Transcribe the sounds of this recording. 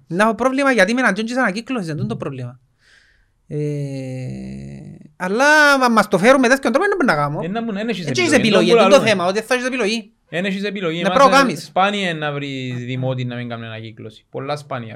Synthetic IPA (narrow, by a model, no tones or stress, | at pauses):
nːafopɾovlimaʝat̪imɛnand͡ʒont͡ʃis̬anakiklosis̬end̪und̪opɾovlima | e | alːamːast̪ofeɾumeðeskjont̪ɾɔpenːambunːaɣamoenːɐmuneneʃist͡ʃiʃisepiloʝied̪oθemaot̪ieθːaʃisepiloʝi | eneʃis̬epilojinepɾaokamisspaniɐenːavɾiðimot̪inːɐmiŋɡamnenaciklosi̥po̰lːaspaniɐ̰